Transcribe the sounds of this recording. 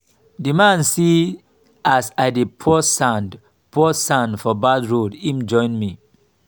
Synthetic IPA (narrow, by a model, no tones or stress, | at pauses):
dimãnsi | asaɪdepʰɔsãnd | pʰusãndfɔbadɹodĩmd͡ʒɔ̃ɪ̃nmi